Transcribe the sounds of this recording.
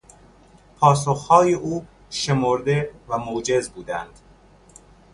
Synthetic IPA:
pʰɒːsoxhɒːjeʔuː | ʃe̞moɾd̪e̞væmod͡ʒe̞zbuːd̪æ̰nd̪̥

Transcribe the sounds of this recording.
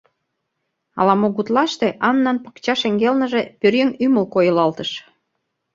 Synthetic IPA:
ɑ̰lɑmoɣut̪lɑʃt̪eʔɑnːɑnpə̥̆kt͡ɕɑʃĕŋɡelnə̆ʒepørjəŋymə̆lkojə̆lɑlt̪əʃ

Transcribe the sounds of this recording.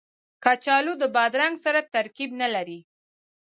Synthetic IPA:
kɑt͡ʃɑlod̪əbɑd̪ɾaŋɡsaɾat̪aɾkibnalaɾi

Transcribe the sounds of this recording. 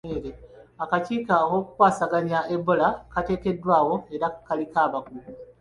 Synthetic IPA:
eɾeakaciːkaowo̞ːku̥kwaːsaɡanaʔebːo̞lakate̞ːke̞dːwaːwo̞e̞ɾakalikaβaɡulu

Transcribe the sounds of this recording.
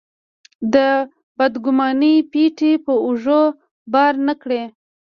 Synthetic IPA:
d̪ə | bad̪ɡʊmɑnipiʈipəʊʐo | bɑɾnəkɽe

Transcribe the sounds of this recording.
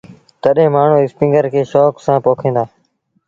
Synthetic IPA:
t̪əɗẽːmaːɳ̤ũːɪspɪ̃ŋɡəɾkʰeːʃɔːksãːpoːkʰẽːnd̪aː

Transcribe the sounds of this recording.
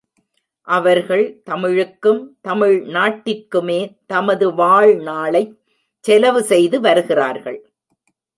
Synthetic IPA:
ʔɐʋɐɾɣɐɭt̪ɐmɪɻɯkːɯmt̪ɐmɪɻnaːʈːɪkːɯmeːt̪ɐmɐðɯʋaːɻnaːɭɐɪ | t͡ʃːɛlɐʋɯsɛjðɯʋɐɾɯɣɪra̰ːɾɣɐ̰ɭ

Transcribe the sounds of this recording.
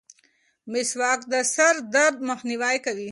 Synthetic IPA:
mɪswɑːkd̪əsɐɾd̪ɐɾd̪̚mɐxniwaːjkawi

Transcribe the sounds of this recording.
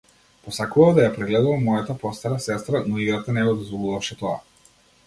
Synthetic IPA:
pɔsakuvad̪ajapɾɛɡlɛd̪uvamɔjat̪apɔst̪aɾasɛst̪ɾanɔiɡɾat̪anɛɡɔd̪ɔzvɔlˠuvafʃɛt̪ɔa̰

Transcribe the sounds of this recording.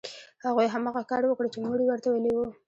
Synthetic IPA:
haɣujɦamaɣakɑɾwəkɽet͡ʃemuɽiwəɾt̪awelewu

